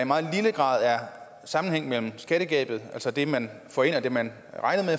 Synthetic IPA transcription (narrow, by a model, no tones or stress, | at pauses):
imɑ̈ːð̩ˠliləɡ̥ʁɑ̰̈ːð̞ˠæɐ | sɑ̈mn̩heŋ̰mel̰m̩sɡ̥æɾ̥əɡ̥ɛ̰ːb̥ð̞̩ˠælsɒd̥e̝mæn | fɒe̝n̰ɒd̥e̝mæn | ʁɑ̈ɪnəme